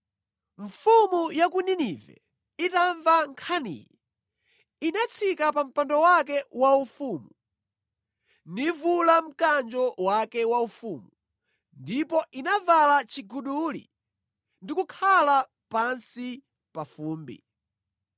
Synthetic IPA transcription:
ɱfumujakuninivɛ̰ | itaɱvaŋkʰanḭːjɛ | inat͡sʰikapam̩pandɔwakɛwaufumu | nivulam̩kand͡ʒɔwakɛwaufuːmu | ndipɔʔinavalat͡ʃiɡuɗulḭ | ndikukʰala | pansi | pafuːmbḭ

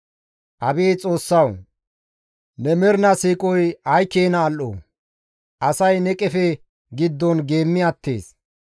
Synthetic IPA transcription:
ʔɐbeːt͡sʼo̞ːsːɐw | nɛmɛɾnɐsiːkʼɔjɐjkeːnɐːlʔo̰ː | ʔɐsɐjnɛkʼɛfɛ | ɡɪd̪ːɔnɡe̞ːmːɪɐt̪ʰːḛːs

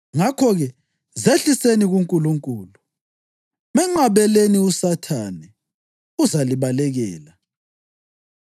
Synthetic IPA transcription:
ŋakʰɔɣɛ | zeɬiseniɣuŋkʼuluŋkʼuːlu | mɛŋ͡ǁaβɛleniusatʰanɛ | uzaliβalɛɣɛːla

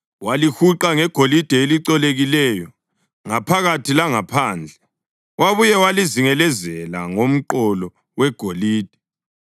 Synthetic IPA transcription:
walixuǃaŋɛɡ̥ʱolid̥ʱɛeliǀɔleɣilɛjɔ | ŋapʰaɣatʰilaŋapʰaːnd͡ɮʱɛ | waβujɛwaliziŋɛlɛzɛla̰ŋom̩ǃɔlɔ | wɛɡ̥ʱoliːd̥ʱɛ̥

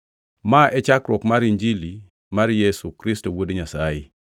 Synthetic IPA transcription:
maʔɛt͡ʃakɾɔkmaɾiɲd͡ʒili | maɾjesukɾistowodeɲasajɪ

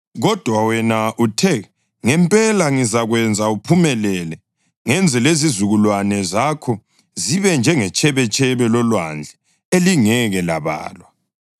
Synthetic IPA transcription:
ɣɔd̥ʱwawɛnaʔutʰɛ | ŋɛmpʼɛlaŋizaɣwɛnd͡zʱaupʰumɛlɛlɛ | ŋɛnd͡zʱɛlezizuɣulwanɛzakʰɔ | ziβɛnd͡ʒʱɛŋɛt͡ʃʼɛβɛt͡ʃʼɛβɛlɔlwa̰nd͡ɮʱɛ | eliŋɛɣɛla̰βa̰ːlwa

